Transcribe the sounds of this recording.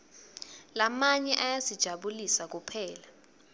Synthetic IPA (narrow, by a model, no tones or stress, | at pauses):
lamaɲɛʔajazid̥ʒ̥ʱaɓulisak̬upʰɛːla